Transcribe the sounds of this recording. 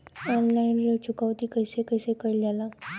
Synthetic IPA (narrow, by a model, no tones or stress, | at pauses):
ɔnlainɾət͡ɕukaʋt̪iːkəjsekəjsekəiljala